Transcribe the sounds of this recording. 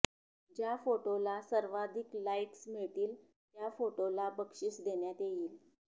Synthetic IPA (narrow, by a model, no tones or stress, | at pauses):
d͡ʑjafoʈolasəɾʋad̪ʱiklaiʈsmiɭt̪iːl | t̪jafoʈolabəkʂiːsd̪eɳjat̪jejiːl